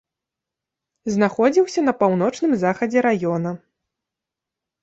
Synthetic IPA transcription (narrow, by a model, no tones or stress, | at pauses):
znaxɔd͡zʲiwsʲɐnɐpawn̪ɔt͡ʂnɨmzaxɐd͡zʲɛɾajɔnɐ